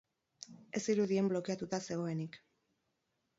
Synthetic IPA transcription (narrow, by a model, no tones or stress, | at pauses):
e̞siɾuðie̞mblo̞keat̪ut̪ase̞ɣ̞o̞e̞nik